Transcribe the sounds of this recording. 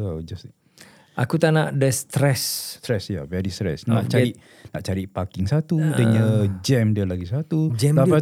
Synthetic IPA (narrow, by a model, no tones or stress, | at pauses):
ad͡ʒas | ʔa̰kut̪anaʔdəst̪ɾɛst̪ɾɛsjavɛɾist̪ɾɛ̰snãʔt͡ʃai | naʔt͡ʃaɾiʔpakɪŋsat̪udəɲəd͡ʒɛmdiəlaɡisat̪ud͡ʒɛapa